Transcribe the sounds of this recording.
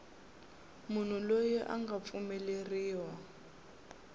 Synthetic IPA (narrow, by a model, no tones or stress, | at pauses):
mun̤ulojiʔa̰ŋɡap̪fumɛleriːwa